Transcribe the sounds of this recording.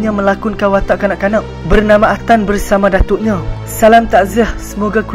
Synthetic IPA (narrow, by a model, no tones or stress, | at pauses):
ɲãmə̃lakunkawat̪aʔkanaʔkanaʔ | bərnamãːt̪anbərsamãdat̪uʔɲã | salamt̪aʔzəhsəmoɡaku